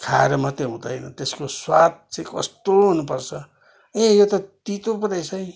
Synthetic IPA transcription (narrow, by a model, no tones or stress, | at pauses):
kʰaɾʌmʌt̪eɦũd̪ʌjnʌt̪eskoswad̪̚t͡sãĩkʌ̰st̪oɦunupʌrt͡sʰʌ | ẽjot̪ʌt̪it̪upʌd̪ajt͡sʰʌj̃